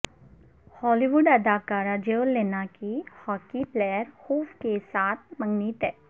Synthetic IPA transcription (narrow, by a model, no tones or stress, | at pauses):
hɔːliʋʊɖɐd̪aːkaːɾad͡ʒelːeːnakihɔːkiplɛːjəɾhuːfkesaːt̪̚ʰmɐ̃ŋɡnit̪ɛː